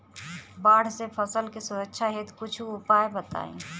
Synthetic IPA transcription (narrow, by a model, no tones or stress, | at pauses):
baːɽ̤sepʰəsəlkisʊɾəkʃʰaɦeːt̪kʊt͡ʃʰuʊpaːebət̪a̰ːḛ̃